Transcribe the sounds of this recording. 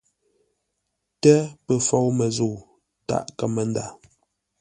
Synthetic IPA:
tɛ˦pə˨fɔ˦wmə˨zu˨ | ta̰˦˨ʔkə˦mə˨n˦da˨

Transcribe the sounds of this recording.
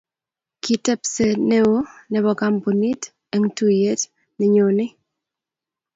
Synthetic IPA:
ki˨tɛ˦pse˨nɛ˦o˦nɛ˨bɔ˨ɡa˦mpo˨ni˦t | ɛ˨ŋ˦tu˦je˦t | nɛ˨ɲo˨nɪ˦

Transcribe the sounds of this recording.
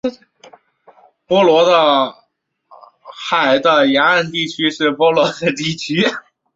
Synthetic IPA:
pwɔ˥lwɔ˧˥d̪ə˧ | xa˨˩ɪd̪ə˧ja˧˥ə˥˧nt̪i˥˩t͡ɕʰy˥ʂɻ̩˥˩pwɔ˥lwɔ˧˥d̪ə˧t̪i˥˩t͡ɕʰy˥

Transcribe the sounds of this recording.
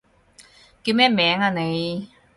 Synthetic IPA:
kiː˧wmɛː˥mɛː˨˥ŋaː˧ne˨˧j

